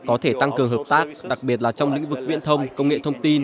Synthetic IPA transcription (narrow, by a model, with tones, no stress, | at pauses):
kɔ˨˦t̪ʰe˧˩t̪a˧ŋkɨ˨˩əŋɦəː˨˩p̚t̪aː˦˥k̚ɗa˨˩k̚ɓi˨˩ət̚laː˨˩t͡ɕɔ˧wŋ͡mlḭ˧˥ŋ̟vɨ˨˩k̚vḭ˧˥ənt̪ʰə˧wŋ͡mkə˧wŋ͡mŋḛ˧˨t̪ʰə˧wŋ͡mt̪i˧n